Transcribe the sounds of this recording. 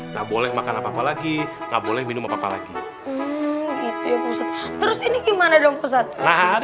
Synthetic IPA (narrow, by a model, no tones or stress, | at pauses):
ŋɡaʔbolɛhmakanapapalaɡiŋɡaʔbolɛhminʊmapapala̰ɡi | m̩ɡit̪ujapusat̪̚t̪ːəɾʊsiniɡimanadɔŋpəsat̪̚naɦ